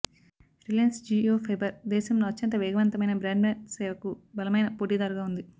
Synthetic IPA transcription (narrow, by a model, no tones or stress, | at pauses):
ɾilensd͡ʒioːpʰɐjbɐɾd̪ɛːʃɐmloːɐtːɐnt̪̬ɐʋɛːɡɐʋɐnt̪ɐmɐjnɐbɾaːɳɖmeːnsɛːʋɐkubɐlɐmɐjnɐpoːʈiːd̪ɐːɾɐɡaːund̪i